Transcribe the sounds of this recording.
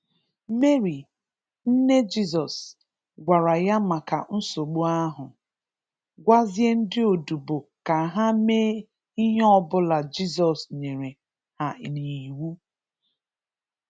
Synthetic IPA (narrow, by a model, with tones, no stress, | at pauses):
me˦ɾi˨ | n̩˦ne˦d͡ʒi˦z̬ɔ˨s | ɡʷa˨ɾa˨ja˦ma˨ka̰˨n̩˦so˨ɡ͡bo˦a˦ɦʊ˨ | ɡʷa˦zje˦n̩˦dɪ˦o˨du˨bo˨ka˨ɦa˦meː˦ | i˦ɦe˦ɔ˦bʊ˦la˨d͡ʒi˦z̬ɔ˨sɲe˨ɾe˨ | ha˨ʔni˨i˨wu˦